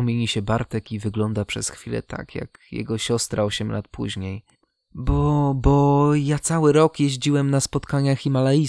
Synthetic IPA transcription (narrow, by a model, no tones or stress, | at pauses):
mʲjeɲiɕɛbaɾt̪ɛkivɘɡlɔnd̪apʂɛsxfʲilɛ̰t̪ʰa̰kja̰kjɛ̰ɡɔɕɔst̪ɾaɔɕɛmlat̪pʰṵʑɲej | bɔbɔjat̪sawɘɾɔkjeʑd͡ʑiwɛmnaspɔt̪kaɲaximalai